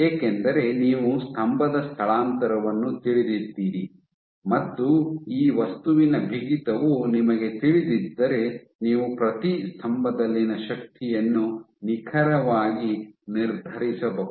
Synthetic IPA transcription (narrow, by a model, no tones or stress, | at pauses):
eːkend̪ɐɾe̞niːʋust̪ʰɐmbʱɐd̪ɐst̪ʰɐɭaːnt̪ɐɾɐʋɐnːut̪iɭid̪id̪ːiːɾi | mɐt̪ːuiːʋɐst̪uʋinɐbʱiɡit̪ɐʋunimɐɡe̞t̪iɭid̪id̪ːɐɾe̞ | niːʋupɾɐt̪ist̪ʰɐmbʱɐd̪ɐlːinɐʃɐk̚t̪ijɐnːu | nikʰɐɾɐʋaːɡiniɾd̪ʱɐɾisɐbɐu